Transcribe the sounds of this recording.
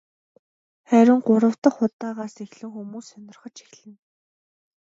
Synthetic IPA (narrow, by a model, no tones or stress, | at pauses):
χæɾʲɪ̆ŋɢʊɾə̆w̥t̪ə̆χʊt̪ːaːʁaːsixɮɘ̆wxumuːsːœnʲɪ̆rχə̆t͡ɕi̥xɮɘ̆n